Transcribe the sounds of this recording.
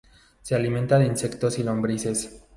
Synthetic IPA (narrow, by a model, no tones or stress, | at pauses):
sealimẽnt̪aðinse̞kt̪osilombɾise̞s